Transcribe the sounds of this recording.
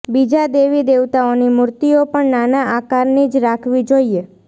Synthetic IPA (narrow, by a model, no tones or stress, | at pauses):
bid͡ʒad̪eʋid̪eʋt̪aonimuɾt̪iopəɳnanaʔakaɾnid͡ʒɾakʰʋid͡ʒoje